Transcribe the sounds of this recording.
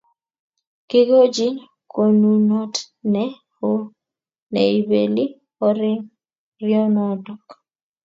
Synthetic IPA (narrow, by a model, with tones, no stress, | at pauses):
kɪ˦ɡo˦d͡ʒi˦ɲ | ko˨nu˦nɔ˦t | nɛ˦ | o˦ | nɛ˨i˨be˨li˦ | ɔ˦ɾɪ˦ŋ | rɪɔ˦nɔ˦dɔ˨k